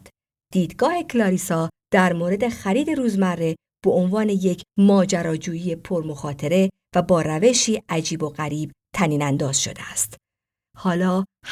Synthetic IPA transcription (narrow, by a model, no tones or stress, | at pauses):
d̪̥iːd̪ɡɒːhe̞kʰlɒːɾiːsɒːd̪̥æɾmoːɾe̞d̪e̞xæɾiːd̪e̞ɾuːzmærːe̞ | b̥oonvɒːne̞je̞cʰmɒːd͡ʒæɾɒːd͡ʒuːjiːje̞pʰoɾmo̞xɒːt̪ʰeɾe̞ | væbɒːɾæve̞ʃiːʔæd͡ʒiːbo̞ɣæɾiːb̥̚t̪ʰæniːnænd̪ɒːz̥ʃo̞̰d̪eæst̪ | hɒːlɒːh